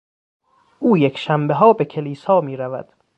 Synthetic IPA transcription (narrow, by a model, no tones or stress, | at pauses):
ʔuːjekʰʃæmbeɦɒːbekʲʰe̞liːsɒːmiːɾævæ̰d̪̥